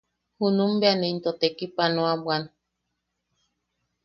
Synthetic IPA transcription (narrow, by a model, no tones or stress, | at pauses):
hunũmbeanẽint̪ot̪ekipanõabwan